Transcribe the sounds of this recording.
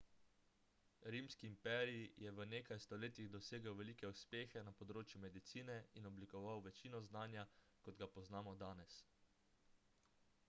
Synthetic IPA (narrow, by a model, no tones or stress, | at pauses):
ɾiːmskiːmpɛːɾijijɛʋəneːkajst̪ɔleːt̪jiɣd̪ɔseːɡəwʋɛliːkɛuspeːxɛnapɔd̪ɾoːt͡ʃjumɛd̪it̪siːnɛinɔblikɔʋawʋɛt͡ʃiːnɔznaːnja | kɔd̪ɡapɔznaːmɔd̪aːnɛs